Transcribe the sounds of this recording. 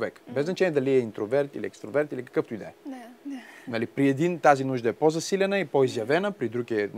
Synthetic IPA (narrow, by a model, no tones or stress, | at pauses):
vɛkbɛznɐt͡ʃɛniːɛd̪ɐliɛint̪ɾovɛɾt̪ḭliɛkst̪ɾovɛɾt̪ilikɐ̥kɤft̪ʊid̪ɛ̰ɛ | nɐlipɾiɛd̪int̪azinuʒd̪ɐɛpɔzɐsilʲɛnəipoizjɐvɛnəpɾid̪ɾuɡiɛ